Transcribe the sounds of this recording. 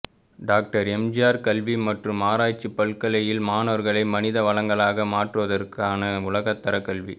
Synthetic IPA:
ɖaːk̚ʈɐɾɛmd͡ʒɪjaːɾkɐlʋimɐʈrɯmːaːɾaːt͡ʃːipːɐɭkɐɭɐjɪlmaːnɐʋɐɾɣɐɭɐɪmɐnɪðɐʋɐɭɐŋɡɐɭaːɣɐmaːʈrɯʋɐðɐrkaːnɐʊlɐɣɐt̪ːɐɾɐkːɐɭʋi

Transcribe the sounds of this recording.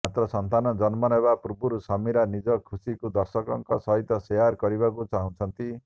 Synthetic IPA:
mat̪ɾɔsʌnt̪anɔd͡zʌnmɔnɔbapuɾbuɾusʌmiɾanid͡zʌkʰusikud̪ʌɾsʌkɔŋkɔsʌɦit̪ːɔseaɾkɔɾibakut͡saɦũt͡sʰʌnt̪i

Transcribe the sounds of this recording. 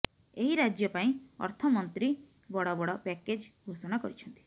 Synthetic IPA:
eɦiɾad͡ʒjɔpaĩɔ̰ɾt̪ʰɔmɔnt̪ɾi | bɔɽɔbɔɽɔpɛked͡ʒɡʱosɔñakɔɾit͡ʃʰɔnt̪i̥

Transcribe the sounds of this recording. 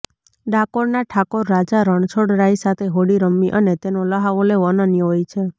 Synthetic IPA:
ɖʱakoɾnaʈʰakoɾːad͡ʒaɾəɳ̃t͡ʃʰoɽɾaisat̪ʰeɦoɽiɾəmːiʔənet̪enoləɦaʋoleʋənənjɦojt͡ʃʰe

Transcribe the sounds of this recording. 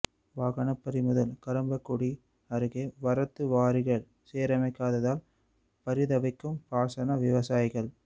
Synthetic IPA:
ʋaːɣɐnɐpːɐɾɪmʊðɐlkɐɾɐmbɐkːuɽi | ɐɾɯɣeːʋɐɾɐt̪ːɯʋaːɾɪɣɐɭ | seːɾɐmɐɪkːaːðɐðaːl | pɐɾɪðɐʋɐɪkːɯmpaːsɐnɐʋɪʋɐsaːjɪɣɐɭ

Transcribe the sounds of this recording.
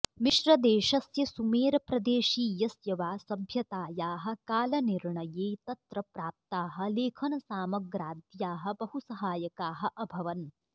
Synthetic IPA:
miʃɾɐd̪eːʃɐsjɐsumeːɾɐpɾɐd̪eːʃiːjɐsjɐʋaːsɐbʱjɐt̪aːjaːɦɐ̆kaːlɐniɾɳɐjeːt̪ɐt̪ɾɐpɾaːp̚t̪aːɦɐ̆leːkʰɐnɐsaːmɐɡɾaːd̪jaːɦɐ̆bɐɦusɐɦaːjɐkaːɦɐ̆ʔɐbʱɐʋɐn

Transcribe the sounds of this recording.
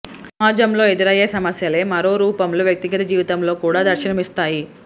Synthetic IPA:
aːd͡ʒɐmlo̞ːed̪iɾɐjeːsɐmɐsjɐle̞ːmɐɾo̞ːɾuːpɐmluʋjɐk̚t̪iɡɐt̪ɐd͡ʒiːʋit̪ɐmlo̞ːkuːɽaːd̪ɐɾʃinɐmist̪aːji

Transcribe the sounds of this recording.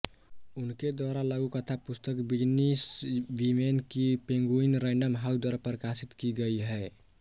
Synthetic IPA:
unked̪waɾalaɡukət̪ʰapust̪əkbid͡ʒnisʋimenkipẽŋɡuinɾaɪɳɖəmɦawsd̪waɾapɾəkasit̪kiɡəiɦɛ

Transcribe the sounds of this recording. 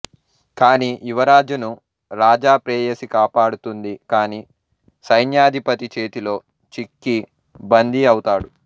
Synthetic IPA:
kaːniːʔiʋɐɾaːd͡ʒunu | ɾaːd͡ʒaːpɾeːjɐsikaːpaːɽut̪und̪ikaːniː | sɐjnjaːd̪ʱipɐt̪it͡ʃe̞ːt̪ilo̞ː | t͡ʃikːi | bɐnd̪iɐwt̪aːɽu

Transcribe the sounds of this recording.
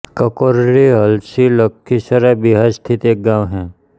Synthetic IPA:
kəkoɾɾiəlsiləkʰːisəɾabiɦaɾst̪ʰit̪eːk̚ɡãʋɦɛ̃ː

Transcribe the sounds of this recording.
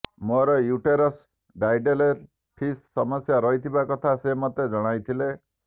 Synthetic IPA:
moɾɔjuʈeɾɔs | ɖajɖele | pʰissɔmɔsjaɾɔɦit̪ʰibakɔt̪ʰasemɔt̪ed͡ʒɔɽ̃ajt̪ʰile

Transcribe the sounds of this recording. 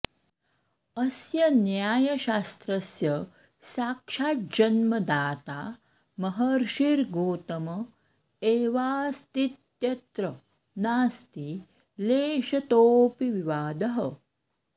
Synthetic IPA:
ɐsjɐnjaːjɐɕaːst̪ɾɐsjɐ | saːkʂaːt̪̚d͡ʑɐnmɐd̪aːt̪a | mɐɦɐɾʃiɾɡoːt̪ɐmɐ | eːʋaːst̪it̪jɐt̪ɾɐ | naːst̪i | leːʃɐt̪oːpiʋiʋaːd̪ɐɦɐ

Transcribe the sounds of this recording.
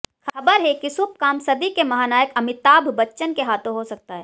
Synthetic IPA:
xʰɐɐbəɾɦɛkisʊp̚kaːmsɐd̪ikemɐɦaːnaːjəkɐmɪt̪aːbʱbɐtːʃənkeɦaːt̪õɦosɐk̚t̪aɦɛː

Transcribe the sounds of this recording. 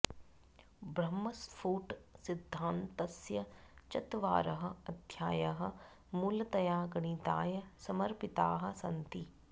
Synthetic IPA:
bɾɐmːɐspʰuːʈsɪd̪ʱːãːnt̪ɐsjɐt͡ʃɐt̪ʋa̰ːɾɐɦɐ̆ɐd̪ʱjaːjɐɦɐ̆ | muːlt̪ɐjaːɡɐɳiːt̪aːjɐsɐmɐɾpɪt̪aːɦɐ̆sɐnt̪i

